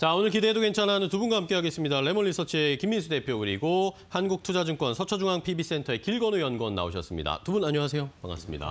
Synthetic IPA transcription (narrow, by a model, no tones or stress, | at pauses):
t͡ɕaonɯɭkidedoke̞nt͡ɕʰananɯntubunɡahamk͈e̞ɦaɡe̞s͈ɯmɲidaɭe̞mʌɭːisʰʌt͡ɕʰiekimːinsʰude̞pʰjokɯɾiɡohanɡuk̚tʰud͡ʑad͡ʑuŋk͈wʌnsʰʌt͡ɕʰʌd͡ʑuŋɦaŋpʰibis͈e̞ntʰʌe̞kiɭɡʌnojʌnɡwʌnːa̰o̰ɕʰʌs͈ɯmɲḭda̰tubunaɲoɦas̬ʰe̞jopa̰ŋa̰s͈ɯmɲḭda̰